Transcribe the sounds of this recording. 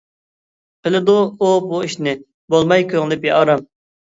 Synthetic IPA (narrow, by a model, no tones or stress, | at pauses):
qʰəlɨd̪uːbuiʃnɪ | bolˠmɑjkʲʰøŋɪlɪpjɑʔɑɾɑm